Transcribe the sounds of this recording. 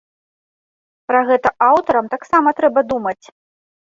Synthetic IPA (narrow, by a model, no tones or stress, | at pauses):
pɾɐɣɛt̪ɐʔawt̪ɐɾɐmt̪aksamɐt̪ɾɛbɐd̪umɐt͡sʲ